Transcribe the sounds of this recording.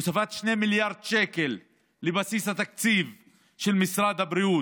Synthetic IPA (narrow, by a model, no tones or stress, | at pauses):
usafat̪ʃnemiljaɾd̪ʃekelː | ebasishat̪ak̚t͡siv | ʃelmisɾad̪habɾiu